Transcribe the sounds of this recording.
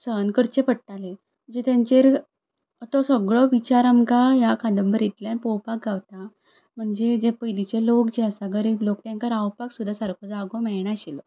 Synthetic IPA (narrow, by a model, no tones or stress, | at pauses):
sənkəɾt͡ɕepəʈʈale | m̤əɳd͡zet̪jaɲt͡ɕeɾ | t̪ɔsəɡɭɔʋit͡ɕaɾamkajakʰãnd̪əmbəɾit̪ljanpɔwpak̚ɡawt̪a | m̤əɳd͡ʑed͡zepəjlit͡ɕelokd͡ʑeasaɡəɾilok̚ʈ̪jãŋkəɾawpaksud̪ʱːasaɾkʰɔd͡zaɡɔmɛɭɳ̃aɕil